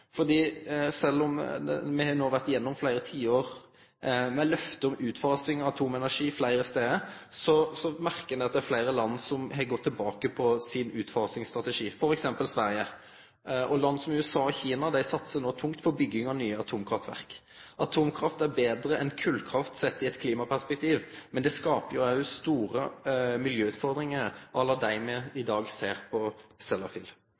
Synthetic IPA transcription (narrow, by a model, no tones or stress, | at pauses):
fɔʁd̪iːsɛlːɔm̰mɛhɑnoːʋæʁt̪ɪjɛnːɔmflæɪɾət̪ʰiːoːɾ | mɛlœft̪əʊmʉːt̪fɑːsɪŋɔɑt̪ʰuːmɛnæʂiːflæɪɾəst̪eːəsɔsɔmæʁkənd̪æɪɑt̪̚d̪æɾflæɪɾəlɑnːsɔmhɛɡɔt̪ʰːɪlbɑːkəpʰɔsɪnʉːt̪fɑːsɪŋst̪ʁɑt̪əʂiːfɔɾɛksɛmpəlsʋæɾjə | ʔɔlɑnːəsɔmʉɛsɑːɔçiːnɑd̪æɪsɑt̪sənoːt̪ʰʊŋkt̪pʰɔbʏɡːɪŋɑnyːəɑt̪ʰuːmkʰʁɑft̪ʋæ̰ʁk | ʔɑt̪ʰuːmkʰʁɑft̪æɾbeːd̪ɾəɛnkʰʉlkʰɾɑft̪sɛt̪ːɪɛt̪kʰliːmɑpʰæʁspɛk̚t̪ʰiːʋmɛnd̪ɛskɑːpəjʊɑʉst̪uːɾəmɪljøːʉt̪fɔʁd̪ɾɪŋəɾʔɑlːəd̪æɪmɛɪd̪ɑːɡseːʁpʰɔsɛlɑfḭl